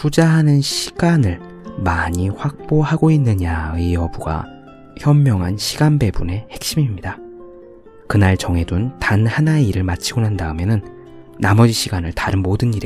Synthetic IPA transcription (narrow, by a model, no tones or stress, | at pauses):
pud͡ʑaɦanɯnɕʰi̥ɡ̥anɯɭ | maɲiɸwak̚p͈oɦaɡoinːɯɲaɯiʌbuɡa̰ | çjʌmːjʌŋɦanɕʰiɡanbe̞bune̞he̞k̚ɕ͈imimɲida | kɯnaɭt͡ɕʌŋe̞duntanhanaeiɾɯɭmat͡ɕʰiɡonandaɯmjʌnɯnː | amʌd͡ʑiɕʰiɡanɯɭtaɾɯnmodɯniɾe